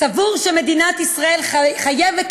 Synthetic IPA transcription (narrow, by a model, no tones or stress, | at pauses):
savuʁʃeme̞d̪inat̪isʁae̞lχajevet